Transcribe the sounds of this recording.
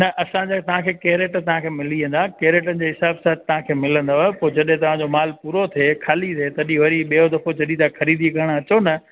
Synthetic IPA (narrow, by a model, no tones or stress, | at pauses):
nɐʔɐsãd͡ʑaːt̪ɐʋ̤ãkʰeːkeːɾeːʈt̪ɐʋ̤ãkʰeːmɪliə̃n̆d̪aːkeːɾeːʈənɪ̆d͡ʑeːɦɪsaːbsat̪̚t̪ɐʋ̤ãkʰeːmɪlə̃nd̪oaepoːd͡ʑɐɗɦẽt̪ɐʋ̤ãd͡ʑomaːlpuːɾot̪ʰekʰaːlit̪ʰeːt̪ɐɗĩʋɐɾiɓijod̪ɐfod͡ʑɐɗĩt̪ʰãxʰɐɾiːd̪ikɐəɽ̃ɐt͡ɕonɐ